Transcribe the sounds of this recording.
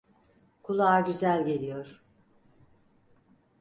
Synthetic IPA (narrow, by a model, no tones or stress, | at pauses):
kʰulˠaːɟyzælʲɟe̞lʲijoɾ̥